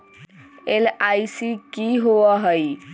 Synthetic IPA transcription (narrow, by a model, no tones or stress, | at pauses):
elajsikiɦoəɦəj